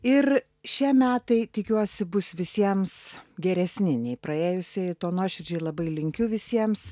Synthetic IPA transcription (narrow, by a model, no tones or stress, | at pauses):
ɪr | ʃʲiɛmʲæːt̪ɐɪt̪ʲɪkʲuɔsʲɪbʊsʋʲɪsʲiɛmsɡʲɛɾʲɛsʲnʲɪnʲɛɪpɾɐeːjʊsʲojɪt̪oːnoːʃʲʊd͡ʒʲɛɪlˠɐbɐɪlʲɪŋʲkʲʊʋʲɪsʲiɛms